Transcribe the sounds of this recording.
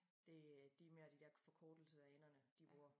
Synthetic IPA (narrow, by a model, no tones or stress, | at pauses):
d̥e̝d̥imeɐd̥id̥ɛɐfɒ̽kʰɔːd̥l̩səæenɐnəd̥ib̥ʁuɐ